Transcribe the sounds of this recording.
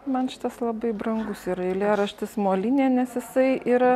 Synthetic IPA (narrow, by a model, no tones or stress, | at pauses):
mɐnʃʲɪt̪ɐslˠɐbɐɪbɾɐŋɡʊsiːɾɐɪlʲeːɾɐʃʲt̪ʲɪsmoːlʲinʲeːnʲɛsjɪsɐɪʔiːɾɐ